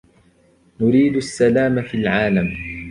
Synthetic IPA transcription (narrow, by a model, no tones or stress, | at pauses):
nʊɾiːd̪asːalaːmafilʕaːlam